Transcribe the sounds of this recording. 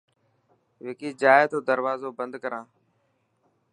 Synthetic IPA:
ʋeːkiːd͡ʒaːjt̪oːd̪əɾʋaːzoːbənd̪kəɾãː

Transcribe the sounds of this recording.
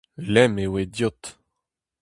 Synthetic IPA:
lɛmewed̪jot̪

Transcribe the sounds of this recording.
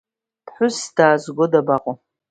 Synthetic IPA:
pʰħʷʊsd̥aːzɡʷodabaqʼʊ

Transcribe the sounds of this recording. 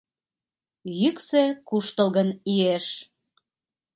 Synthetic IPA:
jyksekuʃt̪əlɣənieʃ

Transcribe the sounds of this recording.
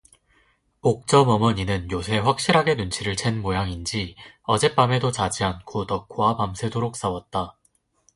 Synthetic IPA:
ok̚t͡ɕ͈ʌmʌmʌɲinɯnjos̬ʰe̞ɸwak̚ɕ͈iɾɦaɡe̞nunt͡ɕʰiɾɯɭt͡ɕʰenmojaŋind͡ʑiʌd͡ʑe̞p͈ame̞dot͡ɕad͡ʑiɦankʰotʌk͈ʰwapamsʰe̞doɾok̚s͈awʌt̚t͈a

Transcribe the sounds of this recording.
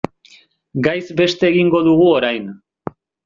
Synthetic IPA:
ɡajzbe̞st̪e̞ːɣiŋɡo̞ðuɣ̞uoɾajn

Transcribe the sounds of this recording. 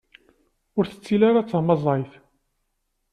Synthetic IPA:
ʊɾθə̥t͡sːilaɾat͡sːəhməzˤejθ

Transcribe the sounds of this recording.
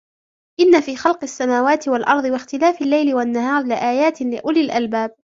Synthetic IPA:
ʔɪnːafiːxɑlqasːamaːwaːt̪ɪwalʔɑɾˤðˤɨwaxt̪ɪlaːfɪlːajlɪwanːahɑːɾˤlɪʔaːjaːt̪lɪʔʊlɪlʔalbaːb̚

